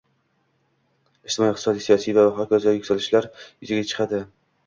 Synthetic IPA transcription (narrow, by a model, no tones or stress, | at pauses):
ɪʃt̪ɪmɒiqt̪sɒd̪ijsijɒsijvalaɦɒkʲazajɵkʲsalɪʃlaɾjɵzɪɡʲat͡ʃʰɨ̥qad̪ɪ